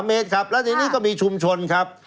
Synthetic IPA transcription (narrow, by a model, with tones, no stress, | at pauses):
mːeː˦˥t̪̚kʰa˦˥p̚lɛ˦˥t̪ʰiː˧niː˦˥˩kɔː˥˩miː˧t͡ɕʰu˧mt͡ɕʰo˧nkʰɾa˦˥p̚